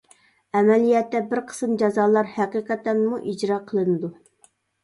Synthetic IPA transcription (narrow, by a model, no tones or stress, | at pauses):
ɛmɛlijɛt̪ːɛbɪɾqʰə̥smd͡ʒɑzɑːlˠɑɾhæqiqʰɛt̪ːɛnmuʔid͡ʒɾɑːqʰəlˠɨnɨd̪u